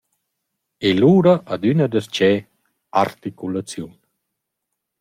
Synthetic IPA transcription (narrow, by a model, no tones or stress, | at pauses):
eluːɾaʔad̪ynad̪əst͡ʃɛ | a̰ɾt̪ikulat͡sjun